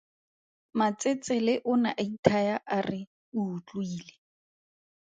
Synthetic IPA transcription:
mat͡sʼet͡sɛlɪʔʊnaʔaitʰajaʔarɪ | uʊt͡ɬʼʊiːle

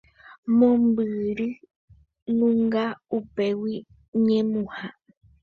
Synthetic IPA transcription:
mõmbɨɾɨ | nũŋɡaupe̞wi | ɲẽmũha

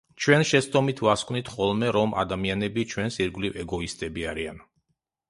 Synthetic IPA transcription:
t͡ʃʰwɛnʃɛst̪ʼɔmit̪ʰvaskʼʰnit̪ʰχɔlˠmɛɾɔmʔa̰d̪amianɛbit͡ʃʰwɛnsiɾɡlivɛɡɔist̪ʼɛbiaɾian

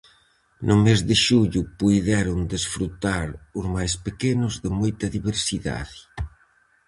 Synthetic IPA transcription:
nʔʊmezðɪʃuʎʊpujðɛɾʊnd̪esfɾut̪aɾʊzmajspekenʊzðɪmojt̪ɐðiβeɾsiða̰ðɪ

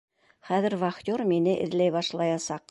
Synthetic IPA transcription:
χæðɘ̆ɾvɑχt̪ʲoɾminɘʔɘ̆ðlæjβɑʃlˠɑjɑsɑq

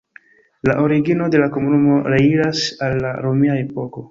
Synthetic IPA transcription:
laʔo̞ɾiɡino̞de̞lako̞munumo̞ɾeiɾasalːaɾo̞miae̞po̞ko̞

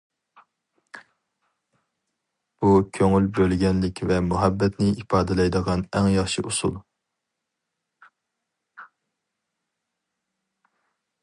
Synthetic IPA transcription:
b̥ukʲʰøŋylbølɡʲɛnlɪkʲvɛmuɦɛbːɛt̪nɪipʰɑːd̪ɨlˠɛjd̪əʁɑnɛŋjɑχʃiʔusulˠ

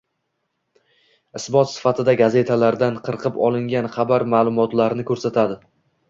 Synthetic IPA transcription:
ɪsbɒt̪sɪ̥fat̪ʰɪd̪aɡaze̞t̪ʰalaɾd̪anqʰɨɾqʰɨpɒlˠɪŋɡʲanχɑbaɾmaːlˠʊmɒt̪laɾnɪkʰɵɾsat̪ʰad̪ɪ

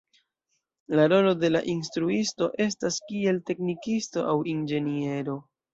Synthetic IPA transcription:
laɾo̞lo̞de̞la̰ʔinstɾuisto̞ʔe̞staskie̞lte̞knikisto̞ʔawind͡ʒe̞nie̞ɾo̞

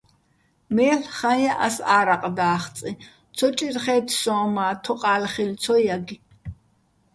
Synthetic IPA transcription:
mɛːɬχajaʔa̰saːɾaqʼd̪aːχt͡sʼi | t̪ʰɔt͡ʃʼirχɛːt̪ʰsɔ̃ːmaːt̪ʰɔqʼaːlχilt͡sʰɔjaɡi

